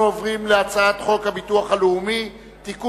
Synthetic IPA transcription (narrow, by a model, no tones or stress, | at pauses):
ovʁimleat͡saat̪χo̞khabituaχaleumi | t̪iku